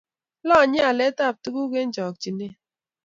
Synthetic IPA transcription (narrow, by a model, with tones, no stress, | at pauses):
lɔ˦˨ɲɪ˦a˨le˦ta˦˨p̚tu˦ku˦ke˦n̩˦d͡ʒɔ˨k̚t͡ʃi˨ne˦